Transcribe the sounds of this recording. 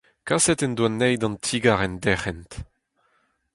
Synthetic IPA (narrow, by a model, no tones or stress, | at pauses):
kasɛt̪ɛnd̪wanːɛjd̪ɑ̃nt̪ʰiɡaʁɛndɛχɛnt̪